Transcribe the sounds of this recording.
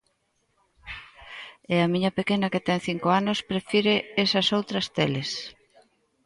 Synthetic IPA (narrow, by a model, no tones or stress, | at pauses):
ɛɐmiɲɐpekenɐket̪ɛŋθiŋkoanospɾefiɾeesɐsowt̪ɾɐst̪eles